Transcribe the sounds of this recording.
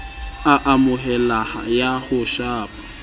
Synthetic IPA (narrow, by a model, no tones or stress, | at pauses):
aʔamʊɦɛlahajahʊʃaːpʼḁ